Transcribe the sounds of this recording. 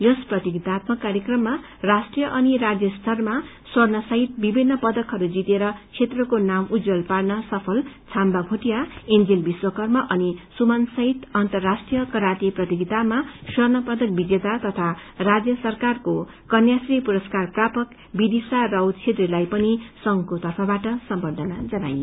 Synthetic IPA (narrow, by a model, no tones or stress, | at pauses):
jʌsprʌt̪iɡit̪at̪mʌkːaɾjekrʌmːa | rasʈrijʌʔʌnirad͡zjʌst̪ʰʌrma | swʌrnʌsʌɦit̪̚bibʱinːʌpʌd̪ʌkɦʌɾud͡zit̪eɾʌt͡sʰet̪rʌkonamud͡zʌlparnʌsʌpʰʌlt͡sʰambabʱoʈijaend͡zilbiswʌkʌrmʌʔʌnisumansʌɦit̪ʌnt̪ʌrːasʈrijʌkʌɾaʈiprʌt̪iɡit̪amaswʌrnʌpʌd̪ʌk̚bid͡zet̪at̪ʌt̪ʰarad͡zjʌsʌrkarko | kʌnjasripuɾʌskarprapʌk | bid̪isarʌwt͡sʰet̪relajpʌnisʌŋɡkot̪ʌrpʰʌbaʈʌsʌmbʌrd̪ʱʌnad͡zʌnaj